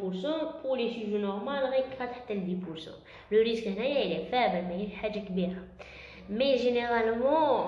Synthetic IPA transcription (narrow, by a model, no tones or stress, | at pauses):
pʊɾsɑ̃pʊʁleʃiʒunɔʁmalʁæjkʁæt̪ħt̪ːæld̪ipʊɾsɑ̰̃ | ləɾiskəhnæjælifæbælmæjiħaʒːakbiɾa | meʒeneʁalmɑ̃